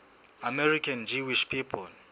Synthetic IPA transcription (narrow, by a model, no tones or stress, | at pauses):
amɛrikʰand͡ʒiwiʃpʰipʰɔl